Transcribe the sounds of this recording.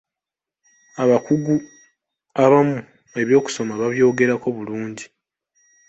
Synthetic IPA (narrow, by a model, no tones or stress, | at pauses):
aβakuɡu | aβamu | e̞βjo̞ːku̥so̞maβaβjo̞ːɡe̞ɾako̞βuluːɲɟi